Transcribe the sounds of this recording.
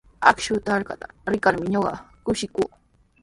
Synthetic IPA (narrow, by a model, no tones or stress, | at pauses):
akʃʊt̪aɾkat̪ḁɾɪkaɾmɪɲoɢɑ̰kʊʃɪkuː